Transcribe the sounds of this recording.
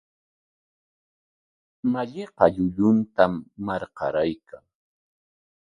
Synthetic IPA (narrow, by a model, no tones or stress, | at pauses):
maʎɪqɑʎʊʎʊnt̪amːɑɾqɑ̰ɾajkʰaŋ